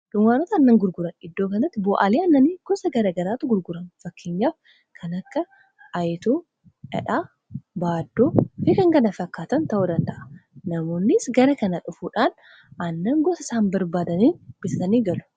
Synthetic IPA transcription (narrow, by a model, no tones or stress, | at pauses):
ᶑʊŋɡaːnɔt̪ɐːnːɐŋɡʊɾɡʊɾɐnɪd̪ːoːkɐnɾɐt̪ːɪbɔːʔɐliːɐnːɐniːɡ̥ɔsɐɡɐɾɐːɡɐɾaːt̪ʊɡʊɾɡʊɾɐnfɐkːeɲːaːf | kʰɐnɐkːɐ | ɐjt̪oː | ʔɛ̰ᶑaː | baːd̪ːoːfɪkɐŋkɐnɐfɐkːaːt̪ɐnt̪ɐʔʊd̪ɐnt̪ɐʔɐ̥nɐmo̞ːnːɪsɡɐɾɐkɐnɐᶑʊfuːᶑaːn | ɐnːɐŋɡɔsɪsaːnbɐɾbaːd̪ɐniːnb̥ɪsɐt̪ɐniːɡɐlʊ̥